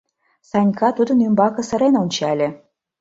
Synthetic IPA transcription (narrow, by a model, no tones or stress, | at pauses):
sɑnʲkɑt̪ud̪ə̆nymbɑkɤ̆sə̆ɾenunʲt͡ɕɑlʲĕ